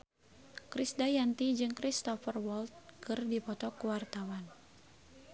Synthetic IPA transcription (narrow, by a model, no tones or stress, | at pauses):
kɾisdajant̪id͡ʒɨŋkɾist̪ɔfərwɔlt̪̚kɨrdipɔt̪ɔkuwart̪awan